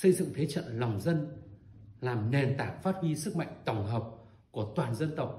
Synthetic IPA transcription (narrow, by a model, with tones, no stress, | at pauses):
sə˧jzɨ̰˧˨ŋt̪ʰe˨˦t͡ɕə̰˧˨nla˨˩wŋ͡mzə˧n | laː˨˩mne˨˩nt̪aː˨˩k̚faː˦˥t̚hwi˧sɨ˦˥k̚ma̰˧˨jŋ̟t̪ə˧˩wŋ͡mɦəː˨˩p̚ | ku˧˩ət̪waː˨˩nzə˧nt̪ə˨˩wk͡p̚